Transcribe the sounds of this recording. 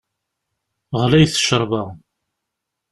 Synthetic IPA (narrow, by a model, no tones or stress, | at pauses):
ʁlæjθə̥ʃəɾˤva